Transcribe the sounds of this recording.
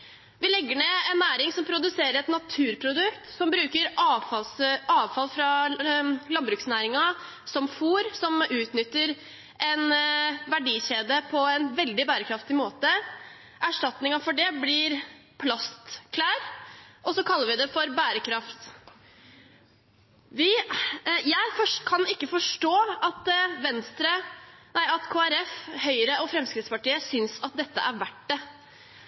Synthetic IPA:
ʋɪlɛɡːəɳeːɛnːæːɾɪŋsɔmpʰɾʊd̪ʉseːɾəɾɛt̪nɑt̪ʰʉːɾpʰɾʊd̪ʉkt̪sɔmbɾʉːkəɾfɑsɑːʋfɑlfɾɑ | lɑnbɾʉːksnæːɾɪŋɑ | sɔmfuːɾsɔmʉːt̪nʏt̪ːəɾ | ʔɛnʋæɖiːɕeːd̪əpʰɔɛnʋɛld̪ɪbæːɾəkʰɾɑft̪ɪmoːt̪ə | ʔæʂʈɑt̪nɪŋɑfɔɖɛblɪɾpʰlɑst̪kʰlæːɾʔɔsɔkʰɑlːəɾʋɪd̪ɛfɔɾbæːɾəkʰɾɑft̪ | ʋɪ | jæɪfɔʂkʰɑnɪkːəfɔʂʈoːɑt̪ʋɛnst̪ɾənæɪɑt̪kʰoːæɾɛfhœʏəɾəʔɔfɾɛmskɾɪt̪spɑʈiːəsʏnsɑt̪̚d̪ɛt̪ːə̰ʔæɾʋæʈɖɛ

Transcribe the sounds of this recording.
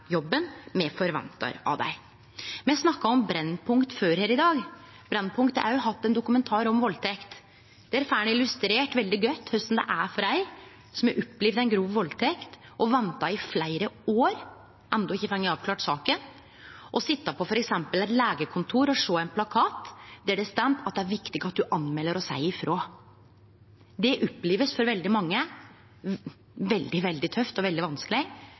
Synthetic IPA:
jɔbːənmɛfɔɾʋɛ̰nt̪ɑ̰ɾɑ̰ʋd̪æ̰ɪ | mɛnæsnɑkːɑɔmbɾɛnːpʰʊŋkt̪føːɾheːɾɪd̪ɑːɡ | bɾɛnːpʰʊŋkt̪əæ̰ɾjʊɦɑt̪ːɛnd̪ʊkʉmɛnt̪ʰɑːɾɔmʋɔlt̪ʰɛkt̪ | d̪̥ɛæɾfæːɳəɪlʉst̪ɾeːʈʋɛld̪ɪɡœt̪ːhœsn̩d̪æ̰ʔæfɔɖæɪ | sɔmæɾʔʊpːliʋd̪æɪnɡɾuːʋʋɔlːt̪ʰɛkt̪ʔɔʋɛnt̪ɑɪflæɪɾəoːɾ | ʔɛnd̪ɔɪçːəfɛŋːəɑːʋklɑːʈsɑːkən | ʔɔsɪt̪ːɑpʰɔfɔɾɛksɛmpəlɛɪt̪læːɡəkʰʊnt̪ʰuːɾɔʂoːæɪnpʰlɑkʰɑːt̪d̪ɛæɖɛst̪ɛmt̪ʰɑt̪̚d̪ɛæɾʋɪkt̪ɪɡɑt̪̚d̪ʉʔɑnmɛlːəɾɔsæ̰ɪɪfɾʔoː | d̪ɛʔɔpːleːʋəsfɔɾʋɛld̪ɪmɑŋːə | ʋɛld̪ɪʋɛld̪ɪt̪ʰœft̪ɔʋɛld̪ɪʋɑnskəlɪ

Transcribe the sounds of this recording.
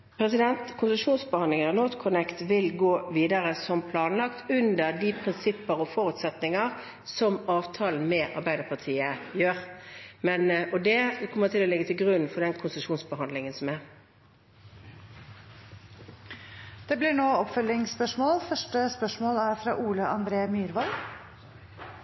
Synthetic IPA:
pʰɾɛsɪd̪ɛnt̪kʰʊnsəʂuːnsbəhɑnlɪŋəɑnoːt̪kʰʊnɛkt̪ʋɪlɡoːʋiːd̪əʁəsɔmpʰlɑːnlɑkt̪ʉnd̪əʁd̪ipʰʁɪnsɪpːəʁɔfɔʁʉt̪sɛt̪nɪŋəʁ | sɔmɑːʋt̪ʰɑːln̩mɛːʔɑ̰ʁbæɪd̪əpʰɑt̪ʰiːəjøːʁmɛnɔd̪ɛkʰɔmːəʁt̪ʰɪlɔlɪɡət̪ʰɪlɡʁʉn̩ːfɔɖ̪ɛnkʰʊnsəʃuːnsbəɦɑnd̪lɪŋənsɔmæʁ | d̪̥eːblɪɳoːɔpfœlɪŋspœʂmoːlfœʂʈəspœʂmoːlæɾfɾɑ̰ːʔuːləʔɑnd̪ɾeːmyːɾʋɑl

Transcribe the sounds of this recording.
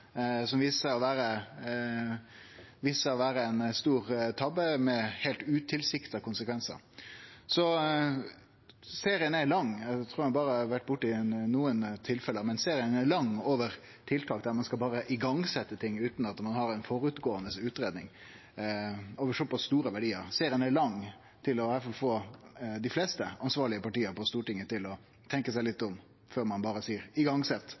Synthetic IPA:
sɔmʋiːsəɔʋæːɾə | ʋiːsəɾɔʋæːɾəɛɪnst̪uːɾt̪ʰɑbəmɛheːlt̪ʉːt̪ʰɪlsɪkt̪ɑkʊnsəkʰʋɛnsə̰ɾ | sɔ | seːɾɪənæɾlɑŋːæt̪ʰɾuːɾhɑnbɑːɾəɑʋæʈ̚ːbʊʈːɪnnuːənt̪ʰɪlfɛləəmɛnseːɾɪənæɾlɑŋːoːʋəɾ | t̪ʰɪlt̪ʰɑːk̚d̪æɾmɑnskɑlbɑːɾəʔɪɡɑŋsɛt̪ːət̪ʰɪŋːʉːt̪n̩ɑt̪mɑnhɑɾɛɪnfɔɾʉt̪ɡoːənəsʉːt̪ɾeːd̪nɪŋ | oːʋəɾʂɔpːɑst̪st̪uːɾəʋæɖiːəɾseːɾɪənæɭɑŋ | t̪ʰɪlɔhæɾfɑlfoːd̪ɪflɛːst̪əɑnsʋɑːɭɪəpɑʈiːəɾpɔst̪uːʈɪŋːət̪ɪlɔ | t̪ʰɛŋkəsæɪlɪt̪ːɔm | føːɾmɑnbɑːɾəsiːɾɪɡɑŋsɛt̪ː

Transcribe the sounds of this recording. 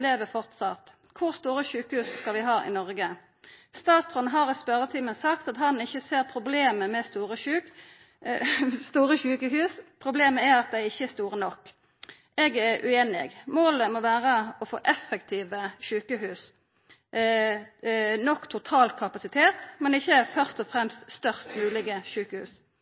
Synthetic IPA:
leːʋəfɔʁt̪sɑt̪ | kʰʊʁst̪uːɾəçʉːkəhʉːsskɑlʋɪɦɑːʔɪ̰nɔʁɡə | st̪ɑːt̪sʁɔnɦɑʁɪspœɾət̪ʰiːmənsɑkt̪ɑt̪ɦɑnɪçːəseːʁpʰʁʊbleːməmɛst̪uːʁəʉːk | st̪uːɾəçʉːkəɦʉːspʰʁʊbleːməæɾɑt̪̚d̪æɪɪçːəɛst̪uːʁənɔkː | ɛɡɛʁʉ̰eːnɪ̰ɡmoːləmoʋæːʁəɔfo̰ːʔɛfːəkt̪ʰiːʋəʃʉːkəɦʉːs | nɔkːt̪ʰʊt̪ʰɑːlt̪̚kʰɑpɑsɪt̪ʰeːt̪mɛnɪçːəɛfœʁst̪ɔfʁɛmst̪st̪œʁst̪mʉːlɪɡəʃʉːkəhʉ̰ːs

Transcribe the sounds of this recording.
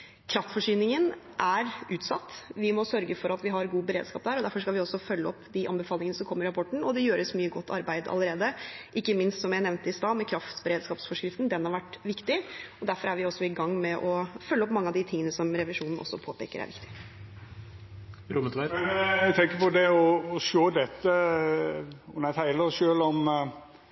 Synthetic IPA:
kʰɾɑft̪fɔʂyːnɪŋən | ʔæɾʉːt̪sɑt̪ːʋɪmɔsœɾɡəfɔɾɑt̪ʋɪɦɑɾɡuːbəɾḛːd̪skɑ̰ːp̚d̪æːɾɔd̪æɾfɔʂkɑlʋɪɔsɔfœlːəɔpːd̪ɪʔɑ̰nbəfɑːlɪŋənəsɔmkʰɔmːəɾɑpʰɔʈːɳ̩ɔd̪ɛjøːɾəsmyːəɡɔt̪ːɑ̰ɾbæɪd̪ɑ̰ləɾeːd̪əʔɪkːəmɪnst̪sɔmjæɪnɛʋnt̪əɪst̪ɑːmɛkʰɾɑft̪bəɾeːd̪skɑːpsfɔʂkɾɪft̪n̩d̪ɛnhɑɾʋæʈːʋɪkt̪ɪɔd̪æɾfɔɾæɾʋɪɔsːɔɪɡɑŋːmɛʔɔfœlːəɔpːmɑŋːəɑd̪ɪt̪ʰɪŋənəsɔmɾɛʋɪʂuːnn̩ʔɔ̰sːɔ̰pʰoːpḛːkəɾæ̰ʋɪkt̪ɪ̥ | ɾʊmət̪ʋæɡt̪ʰɛŋkəpɔd̪ɛɔːʃoːd̪ɛt̪ːə | ɔnæɪt̪ʰæɪləʃøːlɔm

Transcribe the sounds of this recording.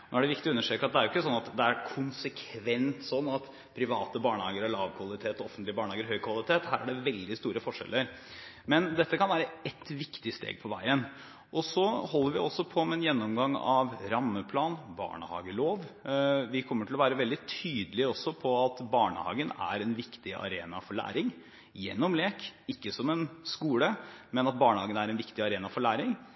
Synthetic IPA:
noːæɖɛʋɪk̚t̪ɪɔʉnːəʂʈøːkəɾɑt̪̚d̪ɛæɾjʊɪkːəsɔnːɑt̪d̪ɛæɾkʰʊnsəkʰʋɛnt̪sɔnːɑt̪ | pʰɾɪʋɑːt̪əbɑːɳəhɑːɡəɾɔlɑːʋkʰʋɑlˠɪt̪ʰeːt̪ɔɔfənt̪lɪəbɑːɳəɑːɡəɾhœʏkʰʋɑlɪt̪ʰeːt̪hæːɾæɖɛʋɛld̪ɪst̪uːɾəfɔʂɛ̰lːəɾ | mɛnd̪ɛt̪ːəkʰɑnʋæːɾəɛt̪ːʋɪkt̪ɪst̪ḛːɡ̚pʰɔʋæ̰ɪənː | ʔɔsɔhɔlːəɾʋɪɔsːɔpʰɔmɛnjɛnːɔmɡɑŋːɑʋɾɑmːəpʰlɑːnbɑ̰ːɳəhɑ̰ːɡəloːʋʋɪkʰɔmːəʈʰɪlɔʋæːɾəʋɛld̪ɪt̪ʰyːd̪əlɪəɔsːɔpʰɔɑt̪bɑːɳə̰hɑ̰ːɡənæ̰ɾɛnʋɪkt̪ɪʔɑ̰ɾeːnɑfɔɭæ̰ːɾɪŋ | jɛ̰nːɔmleːkɪkːəsɔmɛnskuːləmɛnɑt̪̚bɑːɳəhɑːɡənæɾɛnʋɪkt̪ɪɑɾeːnɑfɔɭæːɾɪŋ

